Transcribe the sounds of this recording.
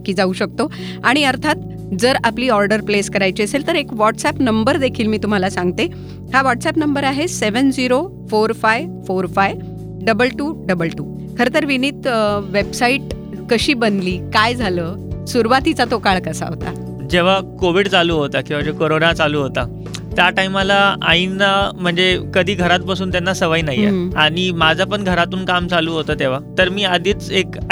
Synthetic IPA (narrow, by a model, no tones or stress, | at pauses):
kiːd͡zauɕək̚t̪o | aɽ̃iəɾt̪ʰat̪̚ | d͡zəɾapliːɔɾɖəɾpleskəɾajt͡ɕiəselt̪əɾekʋɔʈsɛpnəmbəɾd̪ekʰiːlmiːt̪um̤alasãŋɡ̚t̪e | haʋɔʈsɛpnəmbəɾaɦeseʋənd͡ziɾo | foɾfajʋfoɾfaj | ɖəbəlʈuːɖəbəlʈuː | kʰəɾet̪əɾʋinit̪ʋebsaiʈ | kəɕiːbənliːkajd͡zʱaləːsuɾuʋat̪it͡sat̪okaɭkəsa̰ɦo̰t̪a̰ | d͡ʑeʋ̤akoʋiɽt͡saluːɦot̪akĩʋad͡zekoɾonat͡saluːɦot̪a | t̪jaʈaimalaa̰inːam̤əɳd͡zekəd̪ʱiːɡʱəɾat̪̚pasuːnt̪janːasəʋajnajːḛaɽ̃imad͡zʱapəɳɡʱəɾat̪uːnkamt͡saluːɦot̪əːt̪eʋ̤at̪əɾmiːad̪ʱiːt͡sek